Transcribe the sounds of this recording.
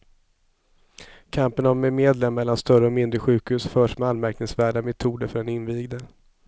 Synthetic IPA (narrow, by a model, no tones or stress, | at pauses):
kʰampənɔmɛmeːd̪lɛmːɛlːanst̪œɾəɔmɪnd̪ɾəɧʉ̟ːkhʉːsfœːʂmɛalmæɾknɪŋsvæːɖamɛt̪ʰuːd̪əɾfœɖɛnɪnviːɡd̪ə